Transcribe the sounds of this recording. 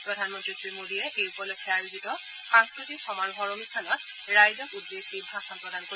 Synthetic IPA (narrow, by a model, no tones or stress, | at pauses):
pɹɔdʱanmɔntɹisɹimodiɹɛʔejupɔlɔjkʰɛaɹizitɔ | xãŋskɹutikxɔmanɦɔɹɔmistʰanɔt̚ | ɹajzɔkudːesidʱaxɔmpɹɔdʱanko